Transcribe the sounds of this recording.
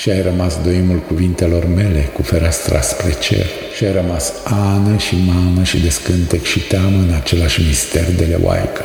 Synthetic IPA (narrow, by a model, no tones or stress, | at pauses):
ʃiajrəmasd̪oimulkuvint̪e̞lo̞rme̞le̞kufeɾast̪ɾa̰spɾet͡ʃe̞̰l | ʃiajrəmasanəʃimaməʃid̪e̞skɨnt̪ekʃit̪eaməɨnat͡ʃe̞laʃʲmist̪e̞rd̪elḛwa̰jkə̥